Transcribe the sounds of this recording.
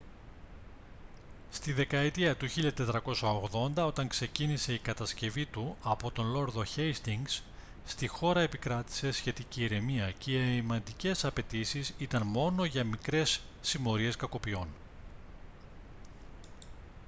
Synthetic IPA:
st̪iðe̞kɐet̪iɐt̪uçiʎɐt̪e̞t̪ɾɐko̞sɐoɣðo̞nd̪ɐo̞t̪ɐŋkse̞cinise̞ikɐt̪ɐsce̞vit̪uɐpo̞t̪o̞nlo̞ɾðo̞çejst̪iŋɡs | st̪ixo̞ɾɐe̞pikɾɐt̪i̥se̞sçe̞t̪iciːɾe̞miɐceimɐnd̪ice̞sɐpe̞t̪isisit̪ɐnmo̞no̞ʝɐmikɾe̞sː | imo̞ɾie̞skɐko̞pio̞n

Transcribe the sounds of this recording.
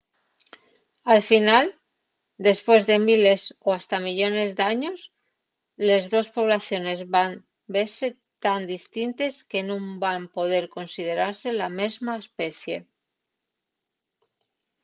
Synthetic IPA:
alfinal | d̪e̞spwe̞zðe̞mile̞soast̪amiʎo̞ne̞zðaɲo̞s | lezðo̞spo̞β̞laθjo̞ne̞zβan | be̞ɾse̞ | t̪and̪ist̪int̪e̞ske̞nũmbampo̞ðe̞ɾko̞nsið̞e̞ɾaɾse̞lame̞zmaespe̞θje̞

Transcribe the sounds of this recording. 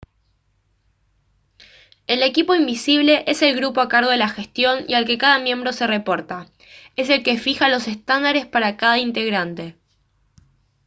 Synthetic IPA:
e̞le̞kipo̞imbisiβ̞le̞ʔe̞se̞lɣɾupo̞akaɾɣo̞ð̞elaxe̞st̪jo̞nḭalke̞kaðamjẽ̞mbɾo̞se̞re̞po̞ɾt̪a | e̞se̞lke̞fixalo̞se̞st̪and̪aɾe̞spaɾakaðaint̪e̞ɣɾant̪e̞

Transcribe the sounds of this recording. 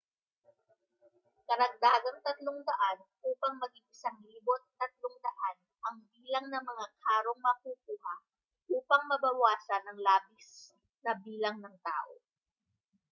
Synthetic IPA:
kɐɾɐɡ̚d̪aːɡɐŋt̪ɐt̪loŋd̪ɐʔanʔuːpɐŋmɐɡɪŋɪsaŋliːbot̪̚t̪ːɐt̪̚loŋd̪ɐʔanʔɐŋbiːlɐŋnɐmɐŋakʰaːɾoŋmɐhukuːhɐ | ʔuːpɐŋmɐbɐwaːsɐnɐŋlaːbis | nɐbiːlɐŋnɐŋt̪a̰ːʔo

